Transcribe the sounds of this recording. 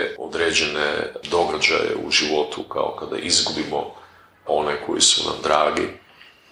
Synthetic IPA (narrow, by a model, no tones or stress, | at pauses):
od̪ɾeːd͡ʑenḛd̪o̞ɡad͡ʑa̰jḛuʒiʋo̞t̪ukaokad̪a̰ʔizɡubimo | o̞nekʰo̞jisuna̰md̪ɾaːɡi